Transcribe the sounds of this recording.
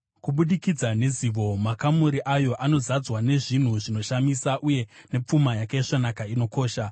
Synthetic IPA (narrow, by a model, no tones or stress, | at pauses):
kuɓuɗikid͡zane̞ziːʋo̞makamuɾiʔajo̞ʔano̞zad͡zwane̞ʐin̤uʐino̞ʃamisaʔuje̞ne̞p͡fumajakaiʂonakaino̞ko̞ːʃa